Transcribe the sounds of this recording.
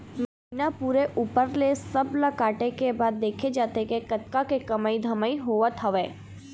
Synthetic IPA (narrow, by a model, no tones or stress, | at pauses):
mɐɦiːnapuːɾeʔuːpəɾlesɐblakaːʈekebaːd̪ːeːkʰed͡ʒaːt̪ekekɐt̪kakekɐmaːid̪ʱɐmaːiɦoːʋat̪ʰɐʋeː